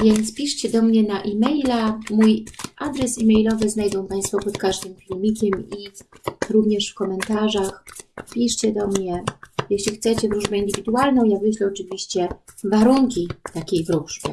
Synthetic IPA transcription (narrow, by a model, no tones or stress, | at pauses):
vʲjɛnt̪spʲiʂt͡ɕɛd̪ɔmɲɛnaʔimɛjlamujʔad̪ɾɛsimɛjlɔvɘznajd̪ɔ̃w̃paj̃st̪fɔpɔt̪kaʐd̪ɘmfʲilʲmʲikʲɛmiɾuvɲɛʂfkɔmɛnt̪aʐaxpʲiʂt͡ɕɛd̪ɔmɲɛjɛɕlʲixt̪sɛt͡ɕɛvɾuʐmʲɛind̪ɘvʲid̪ualnɔ̃w̃javɘɕlɛɔt͡ʂɘvʲiɕt͡ɕɛ | vaɾuŋkʲit̪akʲejvɾuʐbʲjɛ̰